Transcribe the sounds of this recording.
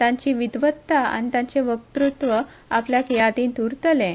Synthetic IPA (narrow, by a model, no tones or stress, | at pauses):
t̪ãɲt͡ɕiʋid̪ʋət̪ːaa̰nit̪ãɲt͡ɕeʋək̚t̪ɾut̪ʋə | apljakejat̪iːnt̪uɾt̪əlɛ̃